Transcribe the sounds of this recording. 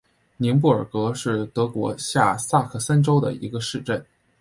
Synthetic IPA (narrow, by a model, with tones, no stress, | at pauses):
ni˧˥ŋp̬u˥˩ə̰˞˨˩kɤ˧˥ʂɻ̩˥˩t̪ɤ˧˥kwɔ̰˧˥ɕja˥˧sa˥˩kʰɤ˥˩sa˥nʈ͡ʂo˥ʊd̪ə̰˨˩ḭ˧˥ɡə˧ʂɻ̩˥˧ʈ͡ʂə˥˩n